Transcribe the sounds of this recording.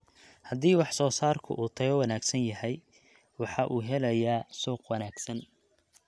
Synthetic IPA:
hɐd̪iːwɑħsɔːsaːrkʰʊ̰ʔuːt̪ʰɐɡɔːwɐnaːɡsɐnjɐɦɛj | wɑħɑʔuːɦɛlɐjaːsɔːqwɑnaːɡsɐn

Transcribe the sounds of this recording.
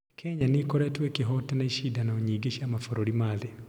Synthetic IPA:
kʰɛɲanikɔɾɛtuekiɦɔtɛnaiʃidanauɲiɡiʃamafɔɾoɾimaði

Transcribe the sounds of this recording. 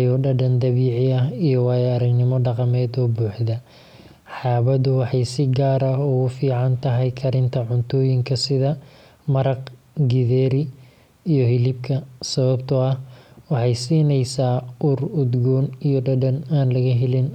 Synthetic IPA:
jɔːɖɐɖɐnd̪ɐβiːʕɪɐɦijɔwɑːjaːɾɐɡnɪmɔɖɑqɑmɛːd̪ɔːbuːħd̪ɐ | ħɑːβɐd̪ʊwɑħɑjsɪɡaːɾɐɦʊʊfiːʕɑnt̪ʰɐɦɛjkʰɐɾɪnt̪ʰɐʕʊnt̪ʰɔːjɪŋkʰɐsɪðɐ | mɐɾɐqɡɪðɛːɾɪ | ijɔɦɪlɪb̚kʰɐsɐβɐbt̪ʰɔɐhwɑħɑjsiːnɛjsaːurʊd̪ɡɔːnijɔɖɐɖɐnaːnlɐɣɐɦɪlɪn

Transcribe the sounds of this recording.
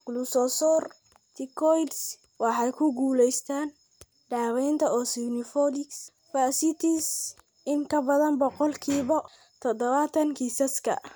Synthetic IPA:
ɡ̥lusɔsɔr | t̪ʰɪkʰɔjds | wɑħɑjkʰʊɡuːlɛjst̪ʰaːn | ɖaːβɛjnt̪ʰɐɔːsɪnɪfɔlɪks | fasɪt̪ʰis | ɪŋkʰɐbɐðɐnbɔqɔlkʰiːβɐ | t̪ʰɔd̪ɔβat̪ʰɐŋkʰiːsɐskʰɐ̰

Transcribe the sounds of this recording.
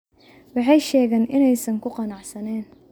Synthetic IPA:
wɑħɑjʃɛːɣɛːnʔɪnɛjsɐŋkʰʊqɑnɑʕsɐnɛːn

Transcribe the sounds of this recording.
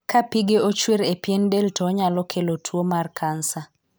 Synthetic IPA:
kʰapiɡeot͡ʃweɾepjendeltɔɲalɔkʰelotʰwomarkʰansa

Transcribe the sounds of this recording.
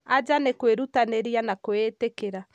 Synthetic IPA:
ad͡ʒanekweɾutaneɾjanakwetekeɾa

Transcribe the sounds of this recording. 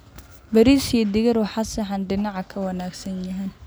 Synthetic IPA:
bɐɾiːsijɐd̪ɪɣɐɾwɑħɑsɐħɑnɖɪnɑʕɑkʰɐwɐnaːɡsɐnjɐɦɛn

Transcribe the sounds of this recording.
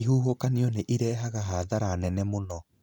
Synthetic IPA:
ihuːhokaniɔneʔiɾɛːɦaɣaɦaðaɾanɛnɛmonɔ

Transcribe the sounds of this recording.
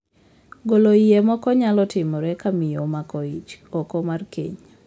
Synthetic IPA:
ɡoloiemɔkɔɲalɔtɪmɔɾɛkamɪjomakɔit͡ʃokomarkḛɲ

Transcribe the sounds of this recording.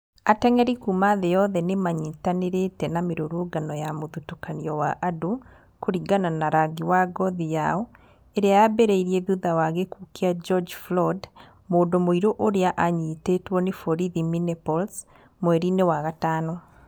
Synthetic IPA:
atɛŋɛɾikumaðejɔðɛnemaɲitaneɾetɛnameɾoɾuɡanɔjamoðutukaniɔwaʔado | koɾiɡananaɾaɡiwaɡɔðijaɔ | eɾeabɛɾɛiɾiɛðuðawaɣekukead͡ʒɔd͡ʒflɔd | moːndomoiɾoʔoɾeaʔaɲitetwɔnefɔɾiðiminɛpɔls | mwɛɾinewaɣataːnɔ

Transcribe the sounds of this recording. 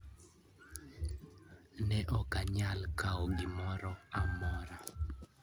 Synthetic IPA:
nɛʔɔkaɲalkaɔɡɪmɔɾɔamɔɾa

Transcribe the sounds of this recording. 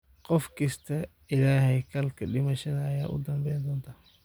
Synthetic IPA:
qɔfkʰɐst̪ʰɐ | ɪlaːhɛjkʰɐlkʰɐɖɪmɐʃɐðɐːjaːʔʊ̰d̪ɐmbɛjnd̪ɔːnt̪ʰaː

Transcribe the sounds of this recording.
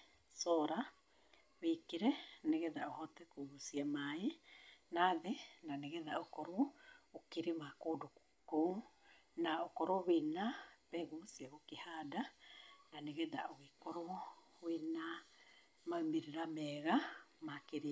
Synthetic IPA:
soɾa | βikiɾeneɡedaʔohotekuɾusiamainaðenaneɡeðaokoɾuukiɾimakuduku̥ku | naokoɾoβinapeɡusiaɡukihadananiɡeda̰oikoɾo | βina | mamiɾiɾameːɣamakiɾi

